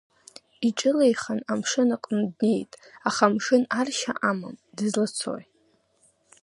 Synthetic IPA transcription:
iʈ͡ʂʼɨlejχanamʂɨnaqʼndne̞jtʼaχamʂɨnarʃa̰ʔama̰mdɨzlat͡sʰo̰j

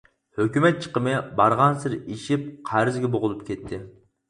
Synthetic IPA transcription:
høkʲymɛt̪̚t͡ʃʰə̥qəmɨbɑɾʁɑnsɪɾiʃip̚qʰæɾɪzɡʲɛboʁʊlˠup̚kʲʰɛt̪ʰːɪ

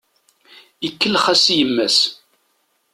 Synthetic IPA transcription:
ikːəlχæsjəmːæs

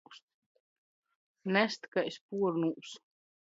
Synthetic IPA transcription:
st̪ | næst̪kajspuɔɾnuʔs

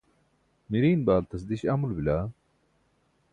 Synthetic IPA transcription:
miɾiːnbaːlt̪ɐs̬d̪iɕɐmulbila

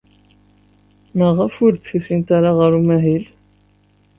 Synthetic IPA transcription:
məʁəfʊɾθusint̪aɾaʁəɾumæɦil

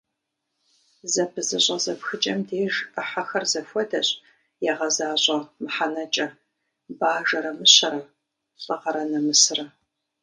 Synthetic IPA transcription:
zɐpʰɨzɨɕʼɐzɐpxɨt͡ʃʼɐmdeːʒɐħaxɐrzɐfʷɔdɐɕʼ | jaːʁɐzaːɕʼɐmɨħanɐt͡ʃʼɐ | baːʒɐɾɐmɨɕɐɾɐ | ɕʼɐʁɐɾɐnɐmɨsɨrɐ

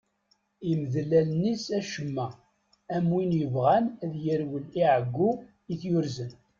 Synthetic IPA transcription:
iməðlælnisæʃəmːæ | æmwinjəvʁænæðjəɾwəliʕəɡːu | iθjʊɾzən

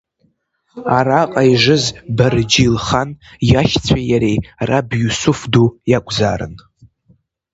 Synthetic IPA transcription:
aɾaqʼaiʐɨzbard͡ʒilχanjaʃt͡sʷʰajaɾejrabjusʊfdujakʷʼza̰ːɾɨ̰n

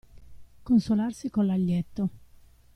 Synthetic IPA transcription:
konsolarsikonlaʎːɛt̪ːo

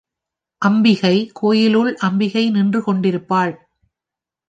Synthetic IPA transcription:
ʔɐmbɪɣɐɪkʰoːjɪlɯɭʔɐmbɪɣɐɪnɪndrɯkɔɳɖɪɾɯpːaːɭ

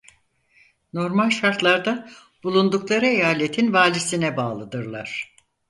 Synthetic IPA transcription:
no̞ɾmalʲʃaɾt̪lˠaɾd̪a | b̥ulˠund̪uklˠaɾɯejaːlʲet̪ʰinvaːlʲisinɛbaːlˠɯd̪ɯɾlˠaɾ̝̥

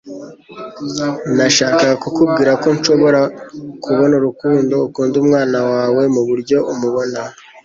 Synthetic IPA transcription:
naʃaːkaɡkokubɡiːɾako̞nʃo̞βo̞ɾakuβo̞nuɾukuːndo̞ːkuːndumŋaːnawaːwe̞muβuɾɟo̞ʔumuβo̞na

